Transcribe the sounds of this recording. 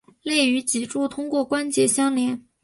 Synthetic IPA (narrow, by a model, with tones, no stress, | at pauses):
le˥˩ɪy˧˥t͡ɕi˨˩ʈ͡ʂu˥˩t̪ʰʊ˥ŋkwɔ˥˩kwa˥nt͡ɕjɛ˧˥ɕjɑ˥ŋljɛ˧˥n